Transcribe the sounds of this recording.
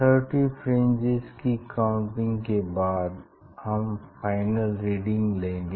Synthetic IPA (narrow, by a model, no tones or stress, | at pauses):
t̪ʰəɾʈifɾẽːnd͡ʒɪzkikaʊ̃ɳʈɪ̃ŋɡkebaːd̪ | hɐmfaːɪnəlɾiːɖɪ̃ŋɡlẽːŋɡeː